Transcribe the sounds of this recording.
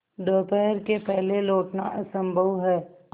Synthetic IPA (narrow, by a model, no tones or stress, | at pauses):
ɖoːpɛːɾkepɛɦleloːʈnaʔɐsə̃mbʱəʋɦɛː